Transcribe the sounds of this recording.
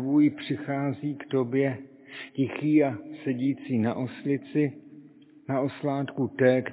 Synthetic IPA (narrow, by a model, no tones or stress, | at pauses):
vujɪpr̝̥ɪxaːziːkt̪o̞bjɛ | cɪxiːasɛɟiːt͡siːnaʔoslɪt͡sɪ | naʔo̞slaːt̪kut̪ɛːk